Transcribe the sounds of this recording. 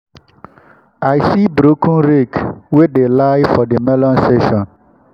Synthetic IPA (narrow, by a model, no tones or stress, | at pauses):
aɪsibɾokʰũnɾekwedelaɪfɔdemɛlɔ̃nsteʃɔ̃n